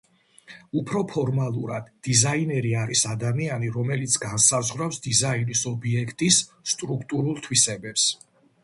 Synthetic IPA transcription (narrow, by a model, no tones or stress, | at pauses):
upʰɾɔpʰɔɾmalˠuɾa̰d̪̥ːizainɛɾiaɾisad̪amianiɾɔmɛlit̪sʰɡansazʁwɾafsd̪izainisɔbiɛkʰt̪ʼisːt̪ʼɾukʰt̪ʼuɾulˠt̪ʰwisɛbɛps